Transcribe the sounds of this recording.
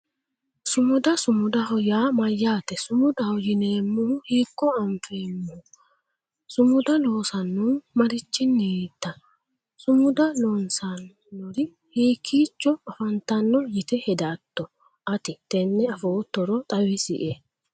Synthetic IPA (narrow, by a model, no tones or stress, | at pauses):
sʊmʊd̪ɐsʊmʊd̪ɐhɔjaːmɐjːaːt̪ɛsʊmʊd̪ɐhɔjɪneːmːuheːkːɔɐɱfeːmːʊ | sʊmʊd̪ɐlo̞ːsɐnːumɐɾɪt͡ʃːɪnːet̪ːɐ | sʊmʊd̪ɐloːnsanː | ɔɾɪ | hiːkʰːiːt͡ʃːɔɐfɐnt̪ɐnːɔjɪt̪ɛhɛd̪ɐːt̪ːɔ | ʔɐt̪ɪt̪ɛnːɛɐfoːt̪ːɔɾɔt̪ʼɐwɪsɪ̰ʔe